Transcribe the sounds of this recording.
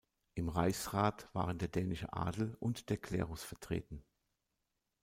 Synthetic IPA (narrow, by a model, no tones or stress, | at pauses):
ʔɪmʁaɪsʁaːtv̥a̰ːʁəndeːɐdɛːnɪʃə̰ʔa̰ːdl̩ʔʊntd̥eːɐkʰl̥ɛ̰ːʁʊsfɛɐtʁ̥ḛːtn̩